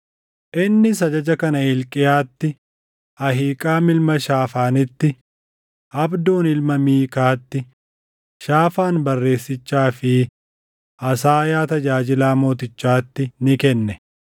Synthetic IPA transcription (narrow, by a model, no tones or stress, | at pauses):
ʔɪnːɪs̬ɐd͡ʒɐd͡ʒɐkɐnɐhɪlkʼɪjaːt̪ːɪ | ʔɐɦiːkʼaːmɪlmɐʃaːfaːnɪt̪ːɪ | ʔɐbd̪o̞ːnɪlmɐmiːkaːt̪ːɪ | ʃaːfaːnbɐrːe̞ːsːɪt͡ʃːaːfɪ | ʔɐsaːjaːt̪ɐd͡ʒaːd͡ʒɪlaːmo̞ːt̪ɪt͡ʃːaːt̪ːɪnɪkɛnːɛ